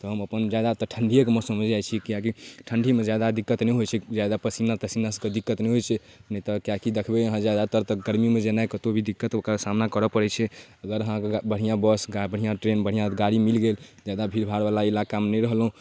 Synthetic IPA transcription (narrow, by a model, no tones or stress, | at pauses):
t̪ɔɦəməpənd͡ʒad̪at̪əʈʰəɳɖʱijəkemɔsəməd͡ʒʱd͡ʒajt͡ʃʰikijakiʈʰəɳɖʱimed͡ʒad̪ad̪ikːət̪nɛjɦot͡ʃʰɛd͡ʒad̪apəsinat̪əsimnasəked̪ikːət̪nɛɦojt͡ʃʰɛnəit̪ɔkjakid̪ekʰbeɦãd͡ʒad̪aɾt̪əɾt̪ɔɡəɾmimed͡ʒenakət̪obʱid̪ikːət̪ksamnakəɾɔpəɽɛt͡ʃʰɛəɡəɾɦãkbəɽ̤ijãbəsɡabəɽ̤ijãʈɾenbəɽ̤ijãɡaɽimilɡeld͡ʒad̪abʱiɾbʱaɽbalailakamnɛjɾəɦlɦũ